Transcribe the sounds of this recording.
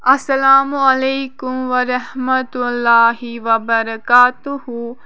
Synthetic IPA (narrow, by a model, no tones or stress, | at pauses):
ʔɐsɐlaːmuɐleːkumʋɐɾɐhmɐt̪ulːaːɦiʋɐbɐɾɐkaːt̪uhu